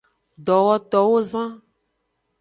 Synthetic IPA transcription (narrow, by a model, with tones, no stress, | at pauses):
ɖ̪ɔ˨wɔ˦t̪ɔ˨wo˦zã˦